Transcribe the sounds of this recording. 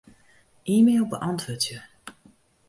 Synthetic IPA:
ʔiːmeːlˠbəʔɑntʋʊːtjə

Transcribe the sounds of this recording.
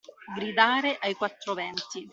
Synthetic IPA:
ɡɾid̪aːɾeʔajkwat̪ːɾovɛnt̪i

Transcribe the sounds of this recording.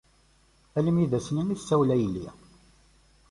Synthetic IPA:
æləmjiðæsnæniθsæwlæjlːḭ

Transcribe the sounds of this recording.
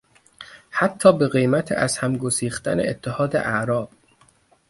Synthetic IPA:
hæt̪ʰːɒːbe̞ɣejmæt̪ʰḛʔæzhæmɡosiːxt̪æ̰nḛet̪ʰːehɒːd̪ḛʔæʔɾɒːb̥̚

